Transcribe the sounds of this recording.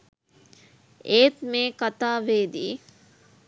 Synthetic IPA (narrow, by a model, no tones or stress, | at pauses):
eːt̪meːkat̪aːʋeːd̪iː